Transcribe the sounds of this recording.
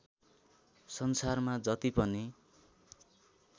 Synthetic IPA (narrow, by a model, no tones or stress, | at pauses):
sʌnsarmad͡zʌt̪ipʌni